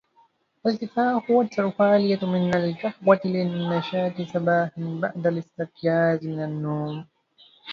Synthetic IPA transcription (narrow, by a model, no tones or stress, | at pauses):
ʔalt̪ɪfaːħʊwat̪ːaɾfaːlɪjamɪnalkaħwat̪ɪlɪnːaʃaːt̪ɪsabaːhɪnba̰ʕd̪alɪst̪ɪqjaːzmɪnanːuːm